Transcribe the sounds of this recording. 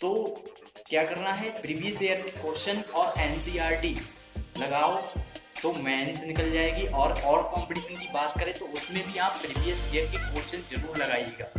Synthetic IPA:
t̪oː | kjaːkɐɾnaɦɛpɾibijəseːjəɾkekoːɾʃənɔːɾɛːnsiːaːɾɖi | lɐɡaːot̪omɛːnsnɪkəld͡ʒaːeːɡiʔɔːɾɔːɾkɔ̃ːmpəʈiːʃənkibaːt̪kɐɾẽt̪oʊsmẽbʱiaːp̚pɾiːbijəseːjəɾkikoːɾʃənzɐɾuːɾlɐɡaːieːɡaː

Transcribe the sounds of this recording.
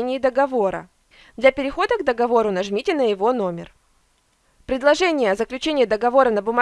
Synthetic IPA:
nʲɪːd̪əɡɐvo̞ɾə̰ | d̪lʲɐpʲɪɾʲɪxo̞d̪əɡd̪əɡɐvo̞ɾʊnɐʐmʲitʲɪnəjɪvo̞no̞mʲɪ̰r | pɾʲɪd̪lˠɐʐɛnʲɪjəɐzəklʲʉt͡ɕenʲɪjɪd̪əɡɐvo̞ɾənəbʊm

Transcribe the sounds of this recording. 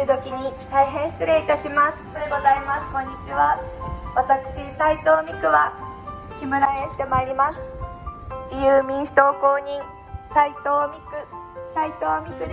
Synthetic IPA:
ɯt̪o̞kʲiɲ̟it̪aiɦẽ̞ɰ̃ɕi̥t͡sɨɾe̞it̪aɕimasɨ̥ɡo̞zaimasɨ̥kõ̞ɲ̟ːit͡ɕiβaβat̪akɯ̟̥ɕisait̪o̞ːmʲikɯ̟βa | kʲimɯ̟ɾaeoɕi̥t̪e̞maiɾʲimasɨ̥ | d͡ʑijɯːmʲĩɰ̃ɕi̥t̪o̞ːko̞ːɲĩŋ | sait̪oːmʲikɯ̟sait̪o̞ːmʲikɯ̟d̪

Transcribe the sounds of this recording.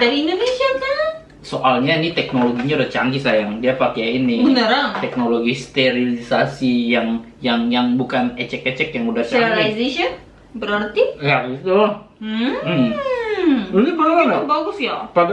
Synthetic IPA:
daɾiːndonesiabsala | soʔalɲainit̪ɛk̚noloɡiɲaudaht͡ʃa̰ŋɡisajaŋdiapakeainːɪbənəɾaŋt̪ɛk̚noloɡist̪eɾilisasijaŋ | jaŋjaŋbukanɛt͡ʃɛkɛt͡ʃɛkjaŋudahst͡ʃailizeʃən | bəɾərt̪ijaɡit̪ulah̩ | uɪbənəɾanabaɡʊsjapa

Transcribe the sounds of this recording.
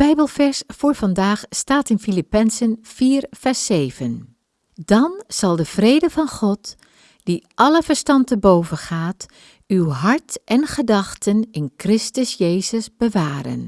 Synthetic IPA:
b̥ɛjbəlˠvɛɹsfʊːɹv̥ɑndaːχstaːtɪnfilipɛnzənfiːɹv̥ɛɹsejvən | d̥ɑnz̥ɑlˠdəv̥rejdəvɑnχɔt | d̥iʔɑləvəɹstɑntəbowvənχaːt | ywɦɑɹtʔɛnχədɑχtənɪnkrɪstəsjejzəsbəʋaːɾə̰n

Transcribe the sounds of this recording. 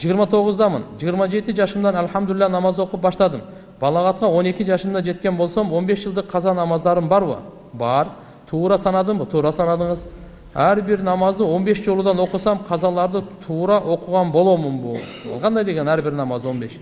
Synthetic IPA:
ʒijəɾmɑt̪ʰo̞ʁəzd̪ɑmə̰nʒijəɾmɑd͡ʒe̞t̪ɪʒɑʃəmd̪ɑnælħamd̪ʏlɪlːænɑmɑzwo̞qəp̚bɑʃt̪ɑd̪əm | b̥ɑlˠɑʁɑt̪̚qɑwo̞ne̞kʲɪʒɑʃəmd̪ɑd͡ʒe̞t̪kʲe̞nbo̞lˠsomwo̞nbe̞sʒəlˠd̪əqʰːɑzɑnɑmɑzd̪ɑɾəmbɑɾβə̰ | bɑɾ | t̪ʰuːɾɑsɑnɑd̪əmbət̪ʰuːɾɑsɑnɑd̪əɴəz | æɾbɪɾnɑmɑzd̪əwo̞nbesd͡ʒo̞lˠud̪ɑnwo̞qəsɑmqʰɑzɑlˠɑɾd̪ət̪ʰuːɾɑʔo̞qʊʁɑnbo̞lˠo̞mənbuɑ̰lˠqʰɑnd̪ɑjd̪e̞ɡʲe̞næɾbɪɾnɑmɑzd̪wo̞nbe̞ʃ

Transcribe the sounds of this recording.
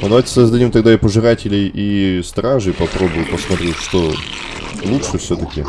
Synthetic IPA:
əd̪ɐvajʲtʲɪ̥səzd̪ɐdʲimt̪ɐɡd̪apəʐɨɾatʲɪlʲɪjist̪ɾaʐɨpɐpɾo̞bʊjʊpəsmɐt̪ɾʲeʂt̪o | lˠutʂɨfsʲɵt̪əkʲɪ

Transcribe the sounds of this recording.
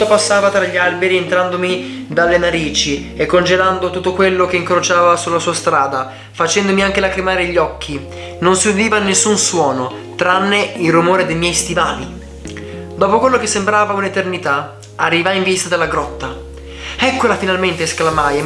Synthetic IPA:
t̪ːopasːaːvat̪ɾaʎːialbeɾient̪ɾand̪omi | d̪alːenaɾiːt͡ʃi | ekːond͡ʒeland̪ot̪ut̪ːokwelːok̟eiŋkɾot͡ʃaːvasulːasuːast̪ɾaːd̪a | fat͡ʃɛnd̪omiaŋk̟elakɾimaːɾeʎːɔkʰːi | nonsiud̪iːvanːesːunswɔːno | t̪ɾanːeilrumoːɾed̪ejmjɛjst̪ivaːlḭ | d̪ɔːpokwelːok̟esːembɾaːvaunet̪ernit̪a | arːivaiɱvist̪ad̪elːaɡɾɔt̪ːa | ɛkːolafinalment̪eːsklamaj

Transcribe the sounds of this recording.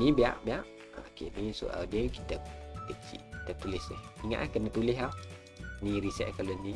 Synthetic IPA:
nibea̰ʔbeaʔ | a̰ʔkḛʔnisṵʔa̰wdɛkit̪əkət͡ʃḭʔkit̪ət̪ulɪsɛhiŋa̰ʔakənət̪ulɪɦa | niɾisɛ̰ʔkaloni

